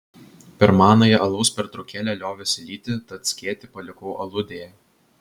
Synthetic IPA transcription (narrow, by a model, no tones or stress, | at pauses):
pʲɛɾmɑːnɐjɛʔɐlˠɐʊspʲɛɾt̪ɾɐʊkʲæːlʲɛlʲoːʋʲɛsʲɪlʲiːt̪ʲɪt̪ɐt̪sʲkʲiɛt̪ʲɪpɐlʲɪkɔʊʔɐlˠʊd̪ʲeːjɛ